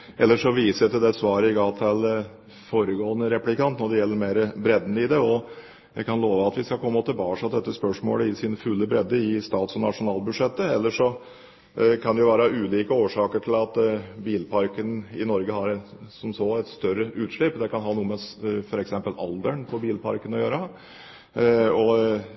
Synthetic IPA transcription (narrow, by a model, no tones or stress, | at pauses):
ʔɛlːəʂɔʋiːsət̪ɪd̪ɛsʋɑːɾəɪɡɑːt̪ʰɑl | foːɾəɡoːənəɾɛplɪkɑnt̪nɔɖɛjɛlːəɾmeːɾəbɾɛd̪ənəɪd̪ɛɔ | jæɪkʰɑnloːʋəɑt̪ʋɪskɑkʰpʰɔɛmːɔt̪ʰːɪlbɑːʂɑd̪ɛt̪ːəspœʂmo̰ːləɪsiːnəfʉlːəbɾɛd̪ːəɪst̪ɑːt̪sɔnɑʂʊnɑːlbʉd̪ʂɛt̪ːəɛlːəʂɔ | kʰɑnd̪ɛjʊʋæːɾəʉːliːkəoːʂɑːkəʈʰɪlɑt̪biːlpʰɑɾkənɪnɔɾɡəhɑɾsɔmsoːɛt̪st̪œɾəʔʉːt̪ʂlɪpːd̪ɛkɑnɦɑːnuːəmɛfɔɾɛksɛmpəlɑ̰ld̪əɳpʰɔbiːlpʰɑ̰ɾkənɔjøːɾə | ɔ